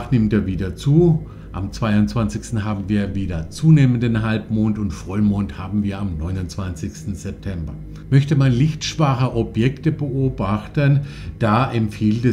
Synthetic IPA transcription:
χnɪmteːɐviːdɐt͡suː | ʔa̰mt͡sv̥aɪʊnt͡sv̥ant͡sɪçstn̩ɦaːbm̩viːɐviːdɐt͡suːneːməndənɦalpmoːntʊntfʁ̥ɔlmoːnthaːbm̩viːɐamnɔʏnʊnt͡sv̥ant͡sɪçstn̩z̥ɛp̚tʰɛmbɐ | mœçtəmanlɪçtʃv̥aʁəʔɔpjɛktəbəʔoːbaχtənd̥aːʔɛmfiːltɛ

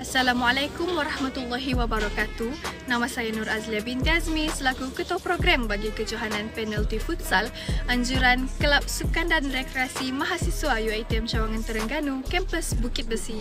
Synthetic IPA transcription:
ʔasːalamualajkʊmwaɾahmat̪alːaɦiwabaɾɔkat̪unãmasajanuɾazliabint̪iazmisəlakukət̪ɔpɾoɡɾambaɡikət͡ʃuɦananpɛnɛlt̪ifut̪̚sal | ʔaɲd͡ʒuɾankəlap̚sukandanrekɾeasimaɦasiswajuajt̪iɛmt͡ʃawaŋant̪əɾəŋɡanukɛmpəsbukɪt̪̚bəsi

